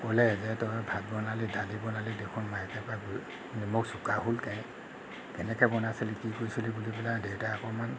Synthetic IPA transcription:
kolɛzɛtɔbʱad̚bɔnalidʱadibɔnalidekʰunmajɛkɛpabu | imʊksukaɦulkaj | kɛnɛkɛbɔnaselikikoɹisulibulipɛladewtaakɔman

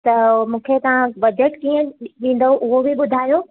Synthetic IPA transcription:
t̪ɐmũːkʰet̪ɐʋ̤ãbɐd͡ʑəʈkiːə̃ɗĩːn̆d̪əɦuʔʊɦobʱiɓʊd̪ʱaːjo

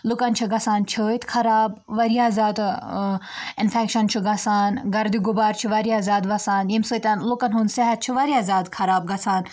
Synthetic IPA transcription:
lukɐnt͡ʃʰiɡɐsaːnt͡ʃʰəːit̪kʰɐɾaːbʋɐɾiaːzaːd̪ | ɪnfekʃɐnt͡ʃʰuɡɐsaːnɡɐɾd̪iɡubaːɾt͡ʃʰiʋɐɾiaːzaːd̪ʋɐsaːnjimsɨːt̪ʲɐnlukɐnɦunseɦɐt̪̚t͡ʃʰiʋɐɾiaːzaːd̪kʰɐɾaːb̚ɡɐsʰaːn

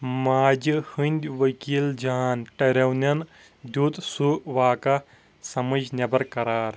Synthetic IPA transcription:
maːd͡ʒɨhɨnʲd̪ʲʋɐkiːld͡ʒaːnʈɐɾʲɐwnʲɐn | d̪ʲuːt̪suʋaːkɐ | sɐmɐd͡ʒnʲɐbɐɾkɐɾaːɾ

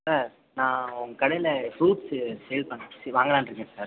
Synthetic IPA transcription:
saːɾ | nãːɔŋɡɐkɐɽɐjɪlɐfɾuːʈssɛjlpɐɳːẽːsɛʋaːŋɡɐɽaːnɾɯkːẽːsaːɾ

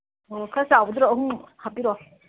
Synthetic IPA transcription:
okʰasawbd̪ɾɔhuŋhapiɾɔ

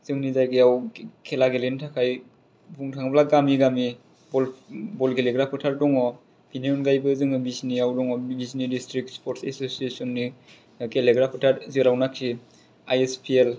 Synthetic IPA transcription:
zɯŋnizajɡeawkʰelaɡelentʰakʰaj | buŋtʰaŋblaɡamiɡami | bɔlbɔlkeleɡɾapʰɯtʰaɾdɔŋɔ | biniɔnɡajbɯzɯŋɯbisniawdɔŋɔbisnidistɾik̚tspʰɔɾtsesosiesɔnːi | keleɡɾapʰɯtʰaɾziɾawnakʰːi | ajespʰiel

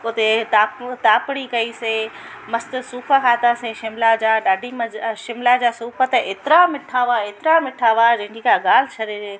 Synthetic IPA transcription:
ʊt̪et̪aːpt̪aːpɪɽ̃ikɐise | mɐst̪suːpʰakʰaːt̪aːseʃɪmlad͡ʑaːɗaːɖʱimɐʃɪmlad͡ʑaːsuːpʰət̪eːt̪ɪɾamɪʈʰaːʋaeːt̪ɾamɪʈʰaːʋaːd͡ʑɐ̃ɦɪ̃ɲd͡ʑikaːɡaːlɪt͡ɕʰɐɗee

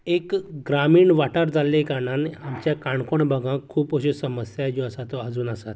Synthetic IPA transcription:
ekɡɾamiːɳʋaʈaɾd͡zalẽkaɾɳaneamt͡ɕjakaɳkoɳbʱəɡʱãkʰːuːpoɕusəməsjad͡ʑoəsat̪oad͡zuːnəsat̪

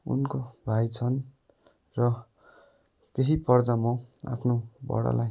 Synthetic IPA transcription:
ṵnkobʱajt͡sʰʌn | rʌ | k̪eɦipʌrd̪ʌmʌ̃a̰pʰnobʌ̰ɽa̰laj

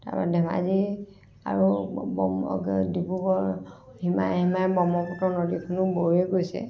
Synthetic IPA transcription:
ta̰ba̰ɛdɛma̰zi | a̰ɹubɔmdibukɔɹ | hima̰jɦimabɔmɔkɔtɔnɔdikʰʊnuboeɡojsɛ̰

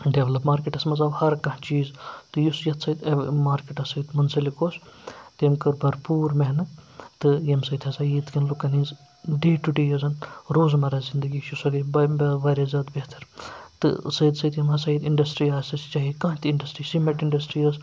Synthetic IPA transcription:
ɖeʋlɐpmaːɾkeʈɐsmɐzɐbhɐɾkɐ̃ɦt͡ʃiːzt̪ɨjusjɐt̪ʰsɐd̪ɐmaːɾkeʈɐsɐd̪mɐnsɐlikoːst̪emkɐɾbɐɾpuːɾmeɦnɨt̪ɨjɐmsɐjd̪ʲhɐsɐjit̪kʲɐnlukɐniːz | ɖeːʈuɖeːjɐzɐnɾoːzmɐɾaːzind̪ɐɡiːʃusɐɡibɐbɐʋɐːɾɐzɐd̪bet̪ʰɐɾt̪ɨ̰sɐjd̪sɐjd̪jɐmɦɐsɐid̪iɳɖɐsʈɾiːaːsɐst͡ʃɐɦikɐ̃ːt̪ʲiɳɖɐsʈɾiːsimɐʈiɳɖɐsʈɾiːɐs

